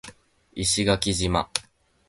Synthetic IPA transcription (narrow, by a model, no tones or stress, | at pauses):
iɕiɡakʲiʑima̰